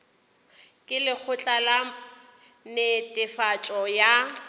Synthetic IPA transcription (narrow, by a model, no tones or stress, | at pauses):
kʼɪlɪk͡xʰʊt͡ɬʼala | nɪtʼɪfat͡ʃʼɔja